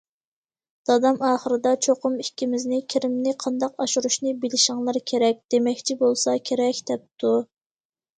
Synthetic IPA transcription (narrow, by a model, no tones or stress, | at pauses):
d̪̥ɑd̪ɑmɑːχəɾɨd̪ɑt͡ʃʰoqʊmikʲʰːimɪznɪkʲʰiɾɪmnɪqʰɑnd̪ɑqɑʃuɾuʃnɨbɪlɪʃɪŋlˠɨɾkʲʰeɾɛk̚ʲd̪̥emɛkʲt͡ʃʰibolˠsɑkʲʰeɾɛkʲd̪̥ɛp̚t̪ʰu